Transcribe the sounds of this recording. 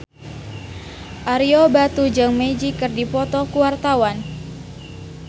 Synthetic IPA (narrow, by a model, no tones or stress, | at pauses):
ʔaɾiɔbat̪ud͡ʒaŋmed͡ʒikɨrdipɔt̪ɔkuwart̪awan